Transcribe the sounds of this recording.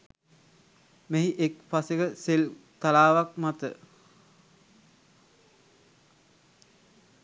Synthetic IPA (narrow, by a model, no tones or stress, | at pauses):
meɦiʔekfaseɡəselt̪alaːʋak̚mat̪ə̰